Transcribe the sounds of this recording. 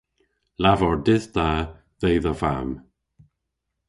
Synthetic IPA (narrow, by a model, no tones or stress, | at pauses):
lavɔɹdɪðd̪̥a | ðejðəva̰m